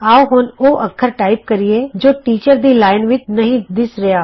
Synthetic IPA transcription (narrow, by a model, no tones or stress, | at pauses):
aːoɦʊnoːʔəkʰːəɾʈaːɪp̚kəɾieːd͡ʒoːʈiːt͡ʃəɾd̪iːlaːɪnʋɪt͡ʃnəɦĩːd̪ɪsɾɪjaː